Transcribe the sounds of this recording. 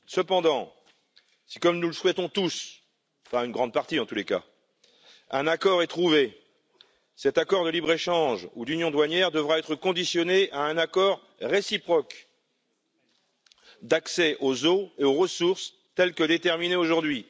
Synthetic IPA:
səpɑ̃d̪ɑ̃ | si̥kɔmnuləswɛt̪ɔ̃t̪us | paynɡʁɑ̃d̪̚paʁt̪iɑ̃t̪uleka̰ | ɛ̃nakɔʁɛt̪χuve | sɛt̪akɔʁd̪əlibʁeʃɑ̃ʒud̪ynjɔ̃d̪waɲjɛʁd̪əvʁaɛt̪χəkɔ̃d̪isjɔneʔaɛ̃nakɔʁ | ʁesipχɔk | d̪aksɛʔozoeoʁəsuʁs | t̪ɛlkəd̪et̪ɛʁmineoʒuʁd̪ɥi

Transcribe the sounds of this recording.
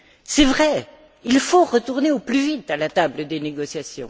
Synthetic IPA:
sɛvʁɛ | ilfoʁət̪uʁneoplyvit̪alat̪abləd̪eneɡɔsjasjɔ̰̃

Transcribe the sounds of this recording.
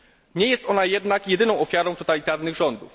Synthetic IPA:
ɲɛjɛst̪ɔnajɛd̪nakjɛd̪ɘnɔ̃w̃ɔfʲjaɾɔ̃w̃t̪ɔt̪alʲit̪aɾnɘɣʐɔnd̪ṵf

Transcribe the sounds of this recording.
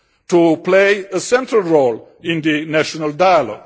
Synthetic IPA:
tupleɪəsɛ̃ntɹəlˠɹol | ɪ̃nd̪ɨnæʃɔnəldajəlɔ̰ɡ

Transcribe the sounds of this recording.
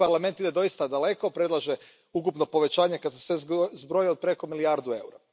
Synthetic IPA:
paɾlame̞nt̪id̪ed̪o̞jist̪ad̪ale̞ko̞pɾed̪lˠaʒe | ukupno̞po̞ʋe̞t͡ɕaːɲe̞kad̪sesʋezbɾojiod̪̚pɾe̞ko̞miliaɾd̪ue̞wɾa

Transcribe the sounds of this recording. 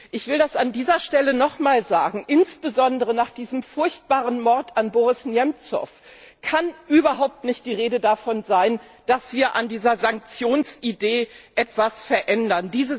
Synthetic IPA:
ʔɪçv̥ɪldasandiːzɐʃtɛlənɔχmaːlzaːɡŋ̩ʔɪnsb̥əzɔndəʁənaːχd̥iːzəmfʊɐçt̚b̥aːʁənmɔɐtanboːʁɪsnjɛmt͡sɔ̰f | kʰanʔyːbɐɦaʊp̚tnɪçtd̥iːʁeːdədafɔnzaɪn | d̥asv̥iːɐʔandiːzɐzaŋk̚t͡sjoːnsʔideːʔɛtv̥asfɛɐʔɛndɐndiːzə

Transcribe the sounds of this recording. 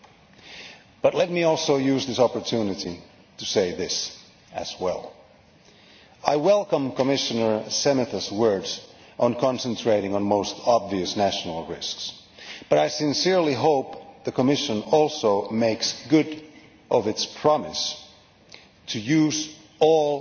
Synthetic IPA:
b̥ʌtˡlɛt̚miɔlˠsoʊjʉzðɪsɑpə˞tʰʉnɨɾi | ɾɨseɪðɪs | ɨ̰z̥wɛ̰lˠ | aɪwɛlˠkə̃mkʰəmɪʃɨnə˞sɛmɨθɨswɜ˞dz | ʔə̃nkʰɑ̃nsə̃ntʰɹ̥eɪɾɪ̃ŋə̃nmoʊstʰɑbviɨsnæʃn̩l̩ˠɹɪsks | b̥ʌɾaɪsɨ̃nsɪɹliɦoʊp̚ðɨkʰəmɪʃə̃nɔlˠsoʊmeɪksɡ̥ʊɾ | ʔʌvɨtspʰɹ̥ɑmɨs | tʰɨjʉz | ɔlˠ

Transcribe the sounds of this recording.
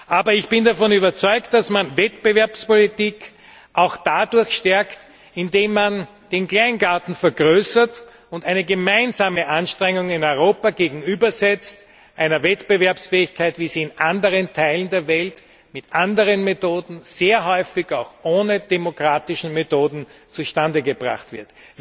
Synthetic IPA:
ʔaːbɐɪçb̥ɪndafɔnyːbɐt͡sɔʏkt̚d̥asmanvɛtpəvɛɐpspolitiːk | ʔaʊxd̥adʊɐçʃtɛɐkt | ɪndeːmːan | d̥eːnkl̥aɪnɡaːtn̩fɛɐɡʁøːsɐt | ʊntæɪnəɡəmaɪnzaːməʔanʃtʁ̥ɛŋʊŋɪnɔʏʁ̞oːpaɡeːɡŋ̩yːbɐzɛt͡st | ʔæɪnɐvɛtb̥əvɛɐpsfɛːɪçkʰaɪtviːziːɪnʔandəʁəntʰaɪləndeːɐvɛlt | mɪtʔandəʁənmetoːdn̩z̥eːɐɦɔʏfɪçaʊxʔoːnəd̥emokʁ̥aːtɪʃn̩metoːdn̩t͡suʃtandəɡəbʁa̰χtv̥ɪɐt

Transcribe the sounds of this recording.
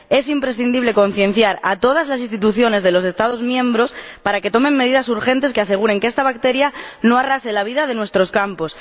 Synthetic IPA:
e̞simpɾe̞sθind̪iβle̞ko̞n̟θjẽ̞n̟θjaɾa̰t̪o̞ðazlasinst̪it̪uθjo̞ne̞zðe̞lo̞s̬e̞st̪aðozmjẽ̞mbɾo̞spaɾake̞t̪o̞mẽ̞mːe̞ð̞iðasuɾxe̞nt̪e̞s̬kease̞ɣ̞uɾe̞ŋkeest̪aβ̞ak̚t̪e̞ɾjano̞arase̞laβ̞iðað̞e̞nwest̪ɾo̞skampo̞s

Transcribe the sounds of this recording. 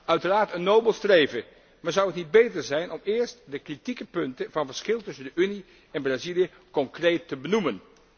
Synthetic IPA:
œɥtəraːɹtənːowbəlˠstrejvə | maːɹzʌwətnid̚bejtəɹzɛjnɔmɪːɹstdəkritikəpɵntəvɑnvəɹsχɪlˠtʏsəndəʔyni | ɛnbraːzilijə | kɔŋkrejtːəbənumən

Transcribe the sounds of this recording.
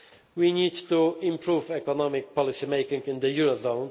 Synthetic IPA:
winidt̪uɪ̃mpʰɹuvɛkɔnɔmɪk̚pɔlɪsimeɪkɪ̃ŋɡɪ̃nd̪əjuɹozõn

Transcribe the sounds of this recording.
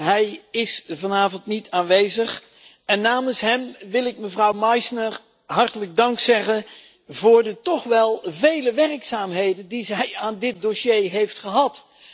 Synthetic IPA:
ɦɛjɪsvɑnaːvɔntnitʰaːnʋejzəχ | ɛnːaːmənsɦɛmʋɪlˠɪk̚məvrʌwmɑjsnəɹ | ɦɑɹtələɡ̚dɑŋksɛχən | vʊːɹdətɔχʋɛlˠvejləʋɛrksaːmɦejdəndizɛjaːndɪt̚doʃejɦejftχəɦɑt

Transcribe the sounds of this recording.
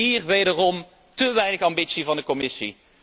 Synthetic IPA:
iːrʋejdərɔm | təʋɛjnəxɑmbitsivɑndəkɔmɪsḭ

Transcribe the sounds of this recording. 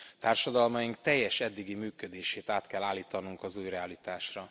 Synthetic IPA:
t̪aːrʃɒd̪ɒlmɒjiŋk̚t̪ɛjːɛʃɛd̪ːiɡimyːkød̪eːʃeːt̪aːt̪kɛlːaːlːiːt̪ɒnuŋkɒzuːjrɛalit̪aːʃrɒ

